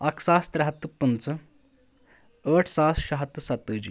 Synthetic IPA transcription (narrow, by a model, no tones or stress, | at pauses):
ɐkʰsaːst̪ɾɐɦɐt̪ːɨpːənt͡sə | əʈʰsaːsɕɐɦɐt̪ːɨsɐt̪ːəːd͡ʑi